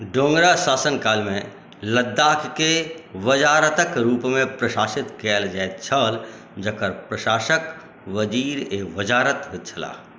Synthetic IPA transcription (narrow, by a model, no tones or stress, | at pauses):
ɖõːŋɡɾasaːsənkaːlmẽ | ləd̪ːaːkʰkeʋəd͡ʒaːɾət̪əkɾuːpmẽpɾəʃaːʃɪt̪keld͡ʒaet͡ʃʰəl | d͡ʒəkəɾpɾəʃaːʃək | ʋəd͡ʒiːɾeʋəd͡ʒaːɾət̪ɦet̪̚t͡ʃʰəla̰ː